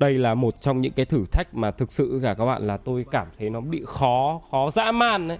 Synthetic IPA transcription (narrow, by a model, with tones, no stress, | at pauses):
ɗə˧jlaː˨˩mo˨˩t̚t͡ɕɔ˧wŋ͡mɲɨ̰˧˥ŋkaː˨˦jt̪ʰɨ˧˩t̪ʰa˦˥jk̚maː˨˩t̪ʰɨ˨˩k̚sɨ̰˧˨kaː˧˩kaː˦˥ɓa̰ː˧˨nlaː˨˩t̪o˧jkaː˧˩mt̪ʰə˨˦jnɔ˨˦ɓḭ˧˨xɔ˨˦xɔ˨˦za̰ː˧˥maː˧˩nʔə˨˦j